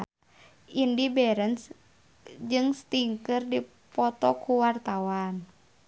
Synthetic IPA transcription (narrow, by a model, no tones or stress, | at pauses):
indibɛɾəns | d͡ʒɨŋst̪iŋkɨrdi | pɔt̪ɔkuwart̪awan